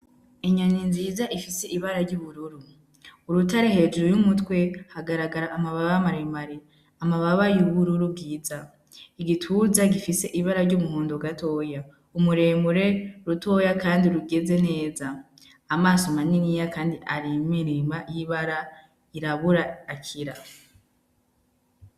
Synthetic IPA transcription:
eɲaɲinziːzaʔifise̞ʔiβaɾaɾɟuβuɾuɾu | uɾutaɾehe̞d͡ʒuɾojumutwe̞haɡaɾaɡaɾaʔːmaβaβamaɾemaɾi | amaβaβajuβuɾuɾub̚ɡiːza | iɡitʰuzaɡifise̞ʔiβaɾaɾɟomuhuːndoɡato̞ːja | umuɾe̞muɾe̞ɾuto̞ːjakaːndiɾuɡe̞ze̞neːzaː | maːsomaninijakaːndiʔaɾimiɾimajiβaɾa | iɾaβuɾaːkʰiɾa

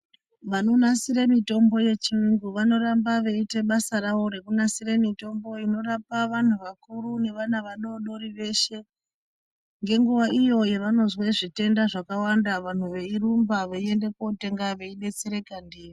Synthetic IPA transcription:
ʋano̞nasiɾemito̞mbo̞je̞t͡ʃiwiŋɡuʋano̞rambaʋeite̞ɓasaɾaʋo̞ɾe̞kunasire̞mito̞mbo̞ino̞ɾapaʋan̤uʋakuɾune̞ʋanaʋaɗo̞ɗo̞ɾiʋe̞ʃe̞ | ŋɡe̞ŋɡuʋaʔijo̞jeʋano̞zweʐite̞ndaʐakawandaʋan̤uʋe̞irumbaʋeiende̞kote̞ŋɡaʋe̞iɓe̞t͡se̞ɾe̞kandiːri

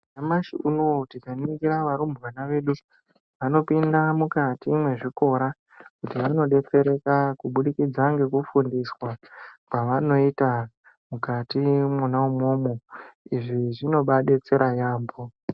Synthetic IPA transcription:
amaʃiunowoutikaniɡiɾaʋaɾumbʋanaʋe̞ɗu | ʋano̞pindamukatimwe̞ʐiko̞ɾa | kutiʋano̞ɗe̞t͡se̞ɾe̞kakuɓuɗikid͡zaŋɡe̞kufundiswakwaʋano̞ita | mukatimunaumoːmoiʐiʐino̞ɓaɗe̞t͡se̞ɾajaːmbo

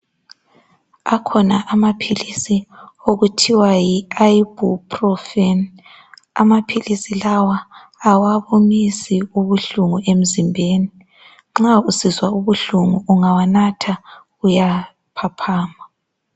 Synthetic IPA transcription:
akʰɔnaʔamapʰilisioɣutʰiwajiaibupʰrɔfɛn | amapʰilisilawaː | waβomisiuβuɬuŋuʔem̩zimbʱeːni | ŋ͡ǁausizwauβuɬuŋuuŋawanatʰaɣuja | pʰapʰaːma

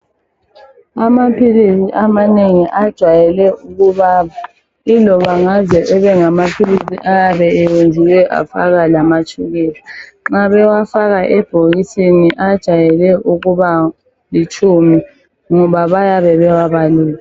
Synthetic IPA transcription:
amapʰilisiʔamaneŋiʔad̥ʒ̥ʱwajɛlɛuɣuβaːβa | ilɔβaŋazɛʔɛβɛŋamapʰilisḭʔajaβɛɛwund͡ʒʱiwɛʔa̰fa̰ɣalamat͡ʃʼʰuɣɛːlaŋ͡ǁaβɛwafaɣaʔɛb̥ʱoɣisiniʔad̥ʒ̥ʱajɛlɛʔuɣuβa | lit͡ʃʰʼumi | ŋɔβaβajaβɛβɛwaβaliːla

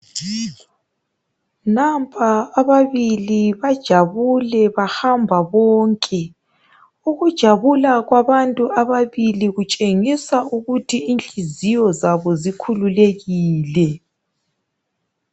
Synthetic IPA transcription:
nampʼʰaːβaβiliβad̥ʒ̥ʱaβulɛβahambʱaβɔːŋkʼɛ | uɣud̥ʒ̥ʱaβulaɣwaβantʼuaβaβiliɣut͡ʃʼeŋisauɣutʰiːnt͡ɬʼizijɔzaβɔzikʰululeɣiːlɛ

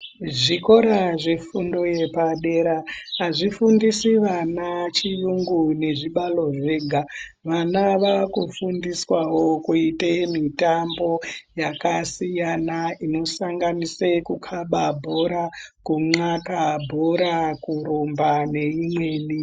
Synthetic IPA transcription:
ʐiko̞ɾaʐefundo̞je̞paɗe̞ɾaɦaʐifundisiʋanat͡ʃijuŋɡune̞ʐiɓalo̞ʐe̞ːɡʱa | ʋanaʋakufundiswawo̞kuitemitambo̞jakasijanaino̞saŋɡanisekukʰaɓabʱo̞ɾakuŋ͡ǀakabʱoɾakuɾombane̞imwe̞ni

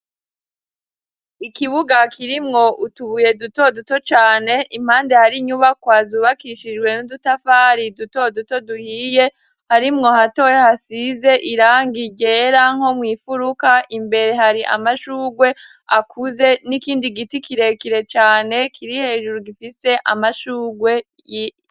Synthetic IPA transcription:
ikiβuɡakʰiɾimŋo̞ʔutuβuje̞duto̞dutot͡ʃaːne̞ʔim̥haːnde̞haɾiɲuβakwaːzuβakiʃid͡ʒɡwe̞nudutafaːɾiduto̞duto̞duhiːje̞ | haɾimŋo̞hatojehasize̞ʔiɾaːŋɡiɟe̞ɾaŋ̥ho̞mwiːfuɾukaʔimbe̞ɾe̞ɦaɾiʔa̰maʃuːɡwe̞ | a̰kʰuze̞nikiːndiɡitikiɾe̞kiɾe̞t͡ʃaːne̞kʰiɾihe̞ːʒuɾuɡifise̞ʔa̰maʃuːɡwe̞ | ji

